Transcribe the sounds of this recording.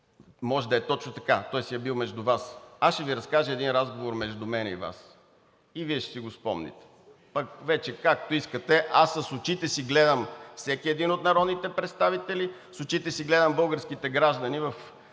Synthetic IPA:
mɔʒɛd̪ɐɛt̪ɔt͡ʃnot̪ɐkat̪ɔɛsjɛbilˠmɛʒd̪ʊvasasʃɛviɾɐskaʒəɛd̪inɾazɡovoɾmɛʒd̪ʊmɛnɛ̰ḭva̰s | iviɛʃsiɡospɔ̰mnḭt̪ɛ̥ | pɐkvɛt͡ʃɛkakt̪oiskət̪ɛʔasːɐsʊt͡ʃit̪ɛsiɡlɛd̪əmfsɛk̟ʲiɛd̪inot̪nɐɾɔd̪nit̪ɛpɾɛt̪st̪avit̪ɛli | sʊt͡ʃit̪ɛsiɡlɛd̪əmbɤlˠɡəɾskit̪ɛɡɾaʒd̪ɐnivəf

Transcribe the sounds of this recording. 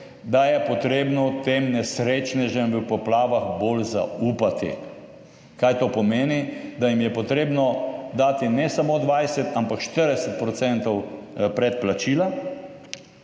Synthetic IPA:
d̪ajɛpɔt̪ɾeːbnɔt̪eːmnɛsɾeːt͡ʃnɛʒɛmʋəpɔplaːʋaxbolza̰uːpat̪ḭ | kajt̪oːpɔmeːnid̪ajimjɛpɔt̪ɾeːbnɔd̪aːt̪inɛsamoːd̪ʋajsɛt̪ampakʃt̪əɾd̪ɛsɛt̪̚pɾɔt̪sɛnt̪ɔwpɾɛt̪̚plat͡ʃiːla

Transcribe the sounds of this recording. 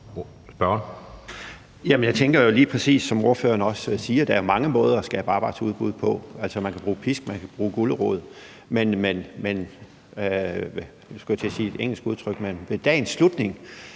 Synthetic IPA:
sb̥ɶ | jæmənjɑ̈ɪt͡sʰeŋɡ̥ɐjo̝liːpʰʁɛsḭːsːɒ̽mo̝ɐfø̰ːɐnəɒ̽ssiːɐɾ̥ææɐjo̝mɑ̈ŋəmɔ̽ːð̞ˠɐɒsɡ̥ɛ̰ːb̥əɑ̈ːb̥ɑ̈ɪd̥ʰsʰuðˠb̥uð̞̰ˠpʰɒ̽æl̰sɒmænkʰæb̥ʁuːpʰisɡ̥mænkʰæb̥ʁuːɡ̥uləʁɔ̰ːð̞̩ˠ | menmenmen | sɡ̥ujt͡sʰe̝siːe̝d̥eŋ̰l̩sɡ̥uðˠt͡sʰʁœɡ̥menʋe̝d̥ɛ̰ːnsːlud̥ne̝ŋ

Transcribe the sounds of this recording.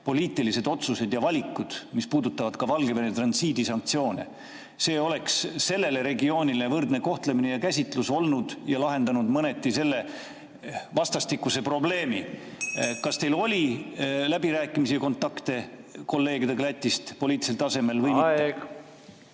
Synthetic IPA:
po̞lʲiːt̪ːˑilise̞d̪o̞t̪suse̞d̪̥jɑvɑlʲikːud̪̥mispuːd̪ut̪ːˑɑvɑd̪̥kɑvɑlɡeveɾet̪rɑnsiːd̪isɑŋk̚t̪sio̞ːnḛ | se̞ːo̞le̞ksːe̞lːe̞le̞ɾe̞ɡio̞ːnʲilevɤrd̪ne̞ko̞ht̪leminejɑkæsʲit̪ˑluso̞lnud̪̥jɑlɑɦe̞nd̪ɑnud̪mɤne̞t̪ˑːise̞lːe̞ | vɑst̪ɑst̪ikːˑuse̞pro̞ble̞ːmi | kɑst̪e̞jlo̞lʲilæbiɾæːkːˑimisijɑko̞nt̪ːˑɑkt̪e̞ko̞lːe̞ːɡid̪eklæt̪ʲːˑist̪po̞lʲiːt̪liselt̪ɑse̞me̞lvɤjmi

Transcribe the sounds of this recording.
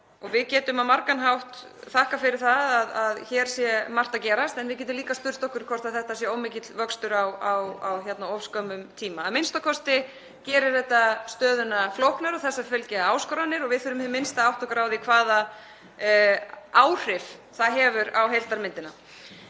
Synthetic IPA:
ɔɣvɪðcɛːt̪ʏmawmaɾkanɦawht̪ | θahkafɪɾɪɾ̥θaðaðaðçɛːɾ̥sjɛmar̥t̪acɛːɾast̪ɛnvɪðcɛt̪̬ʏmliːkast̪ʏɾ̥st̪ɔhkʏɾ̥kʰɔr̥t̪aθɛht̪asjɛowmɪcɪt̪lvœkst̪ʏɾawawa̰wçjɛt̪naɔfskœmʏmt̪ʰiːmaːðmɪnst̪akʰɔst̪ɪ | cɛːɾɪɾ̥θɛht̪ast̪œːðʏnaflowhknaɾɔθɛsːafœlcɛaːwskɔɾanːɪɾɔɣvɪðθʏːɾʏmɪmɪnst̪aawht̪ɔkɾaːwðɪkʰvaːða | ʔaːwr̥ɪfθaðɦɛːvʏɾawɦejl̥t̪aɾmɪnt̪ɪna̰

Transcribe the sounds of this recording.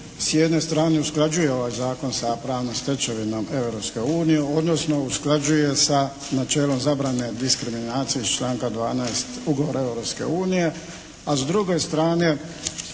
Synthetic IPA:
sjed̪ne̞st̪ɾaːneusklˠad͡ʒuje̞o̞ʋaːjzaːko̞nsapɾaːʋnomst̪et͡ʃeʋino̞me̞ʋɾopske̞uːnijeo̞d̪nosno̞usklˠad͡ʒuje̞sa | nat͡ʃeːlo̞mzabɾane̞d̪iskɾiminaːt̪sijeist͡ʃlaːŋkad̪ʋaːnaest̪uɡoʋoɾae̞ʋɾopske̞̰uːnije̞ | azd̪ɾuɡo̞st̪ɾaːne̞

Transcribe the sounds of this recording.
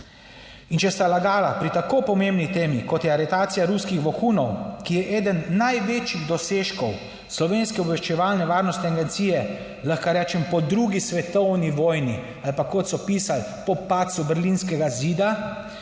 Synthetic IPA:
int͡ʃɛst̪alaɡaːlapɾit̪akopɔmembnit̪eːmikɔt̪jɛaɾɛt̪aːt̪sijaɾuskixʋɔxuːnɔwkijɛʔeːd̪ənːajʋeːt͡ʃiɣd̪ɔseʃkɔw | slɔʋeːnskɛɔbʋɛʃt͡ʃɛʋalnɛʋaːɾnɔst̪nɛaɡɛnt̪siːjɛ | laxkaɾɛːt͡ʃɛmpɔd̪ɾuɡisʋɛt̪ɔwniʋɔːjni | alpakɔt̪sɔpiːsal | pɔpat̪subɛɾlinskɛɡaziːd̪a

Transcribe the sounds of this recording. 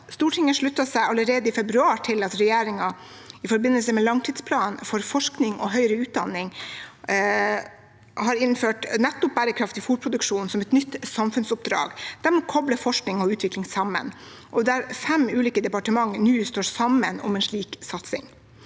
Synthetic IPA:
st̪uːʈʰɪŋːəʂɭʉt̪ːɑsæɪɑləɾeːd̪əifɛbɾʉɑːʈʰɪlɑt̪ɾɛjeːɾɪŋɑ | ɪfɔɾbɪnːəlsəmɛlɑŋt̪ʰiːd̪spʰlɑːnfɔɾfɔʂknɪŋɔ̰ɦœʏɾəʉːt̪̚d̪ɑnːɪŋ | hɑɾɪnføːʈnɛt̪ːʊp̚bæːɾəkʰɾɑft̪ɪfuːɾpʰɾʊd̪ʉkʂuːnsɔmɛt̪nʏt̪ːsɑmfʉnsʊp̚d̪ɾɑ̰ːɡd̪̥æɾmɛːkʰɔbləfɔʂknɪŋɔʉːt̪ʰʋɪklɪŋsɑmə̰n | ʔɔd̪ææɾfɛmʉːliːkəd̪ɛpɑʈəmɑŋːnʉːst̪oːɾsɑmənɔ̰mɛnʂɭiːksɑt̪sɪ̰ŋ

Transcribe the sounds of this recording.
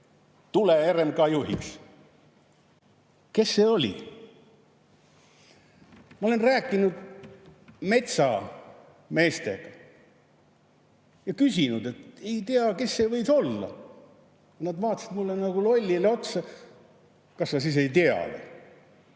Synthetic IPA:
t̪uleeɾemkɑjuhḭks | ke̞sːe̞ːo̞lʲḭ | mɑo̞lenræːkːˑinud̪̥ | me̞t̪sɑ | me̞ːst̪e̞̰ɡ̥ɑ | jɑkysʲinud̪̥e̞t̪e̞jt̪eɑke̞sːe̞ːvɤj̪so̞lːɑ̰ | ɑnɑd̪vɑːt̪ːˑɑsid̪mulːenɑɡulo̞lʲːileo̞t̪sɑ | kɑssɑsiːs̬e̞jt̪eɑ̰lḛ

